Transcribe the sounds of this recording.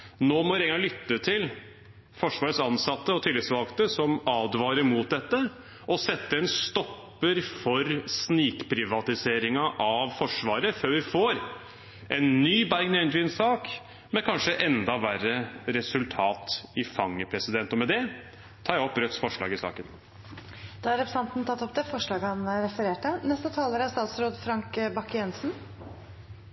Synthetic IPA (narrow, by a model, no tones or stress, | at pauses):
noːmɔʋɪɾɛŋɡɑŋlʏt̪ːət̪ʰɪl | fɔʂʋɑːɾət̪sɑnsɑt̪ːəɔt̪ʰɪːlɪsʋɑlkt̪əsɔmɑːd̪ʋɑːɾəɾmuːt̪̚d̪ɛt̪ːə | ɔsɛt̪ːəɛnst̪ɔpːəɾfɔɾsniːkpʰɾɪʋɑt̪ɪseːɾɪŋɑʔɑʋfɔʂʋɑːɾəføːɾʋɪfoːɾ | ʔɛnːyːbæɾɡnɛnɪnsɑːk | mɛkʰɑnʂəʔɛnd̪ɑʋærəɾɛsʉlt̪ʰɑːt̪ɪfɑŋːəpʰɾɛsɪd̪ɛnt̪ɔmɛd̪ɛ | t̪ʰɑːjæɔpːɾœt̪ːsfɔʂɭɑ̰ːɡɪsɑ̰ːkən | d̪̥ɑæɾɛpɾəsɑnt̪n̩t̪ɑt̪ːɔpd̪ɛfɔʂɭɑːɡəhɑnɾɛfəɾeːʈənɛst̪ət̪ʰɑːləɾæst̪ɑːt̪sɾoːd̪fɾɑŋkbɑkːjɛnsn